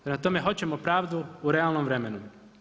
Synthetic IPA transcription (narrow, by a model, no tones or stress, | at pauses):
nat̪o̞me̞ɦo̞t͡ɕe̞mo̞pɾaːʋd̪uuɾe̞alˠno̞mʋɾe̞me̞nu